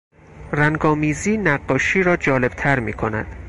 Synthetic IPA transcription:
ræŋɡɒːmiːziːnæɢːɒːʃiːɾɒːd͡ʒɒːle̞b̥t̪ʰæɾmiːkʰo̞næ̰d̪̥

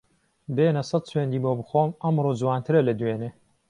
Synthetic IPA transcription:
beːnɐsɐt̪̚sweːnd̪iːmoːbɨxoːmɐmroːd͡zwaːnt̪ʰɨɾɐlɐd̪weːne

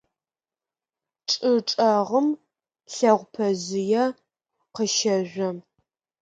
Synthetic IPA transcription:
ʈ͡ʂʼɨʈ͡ʂʼɐʁəm | ɬɐʁʷpʰɐzɪjɛ | qəʃɐʒʷɐ

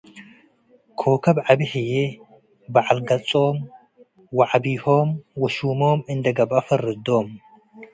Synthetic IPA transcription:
kʰokʰɐbʕaβiħɨje | baʕalɡɐt͡sʼom | waʕabihomwɔʃumomɨnd̪ɐɡɐbafɐɾɨd̪om

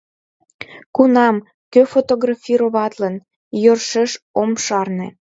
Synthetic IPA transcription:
kunɑm | køfot̪oɣrɑfʲiɾoβɑt̪lən | jørʃeʃomʃɑrnḛ̆

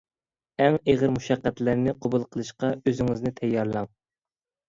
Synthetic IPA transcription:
ɛŋeʁəɾmuʃɑqːæt̪læɾnɪqʰobulˠqʰəlˠɨʃqɑøzɪŋɪznɪt̪ʰɛjːɑɾlˠɑŋ

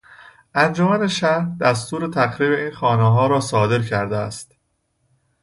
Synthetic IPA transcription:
ʔænd͡ʒomæne̞ʃæɾd̪æst̪uːɾe̞t̪ʰæxɾiːbe̞iːnxɒːneɦɒːɾɒːsɒːd̪e̞ɾcʰæɾd̪eæ̰st̪

